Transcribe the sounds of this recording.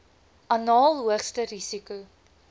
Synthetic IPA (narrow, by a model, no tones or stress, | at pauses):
ʔɐnɑːlˠɦuəχstəɾisiku